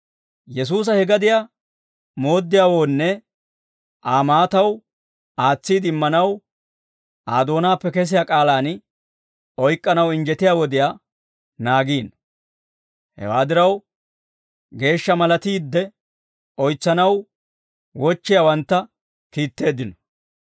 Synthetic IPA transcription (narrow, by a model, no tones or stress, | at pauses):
jɛs̬uːs̬ɐhɛɡɐd̪ɪja | mo̞ːd̪ːɪjaːwo̞ːnːɛ | ʔaːmaːt̪ɐw | aːt͡sːiːd̪ɪmːɐnɐw | ʔaːd̪o̞ːnaːpːɛkɛs̬ɪjakʼaːlaːn | ɔjkʼːɐnɐwɪnd͡ʒɛt̪ɪjaːwɔd̪ɪjaː | naːɡiːn | hɛ̰waːd̪ɪɾɐw | ɡe̞ːʃːɐmɐlɐt̪iːd̪ːɛ | ɔjt͡sːɐnɐw | wɔt͡ʃːɪjawɐnt̪ːɐ | kiːt̪ːe̞ːd̪ːɪnɔ̥